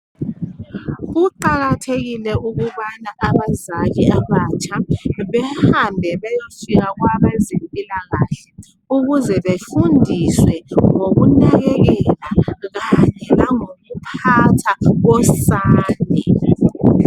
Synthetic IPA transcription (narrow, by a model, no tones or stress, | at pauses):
uǃaɣatʰeɣilɛuɣuβanaʔaβazakiaβat͡ʃʰʼaβɛhambʱɛβɛjofiɣaɣwaɓɛzempʼilaɣaɬɛ | uɣuzɛβefundʱiswɛŋoɣunɛɣɛɣɛlaɣaɲɛlaŋomupʰatʰaɣɔsaːnɛ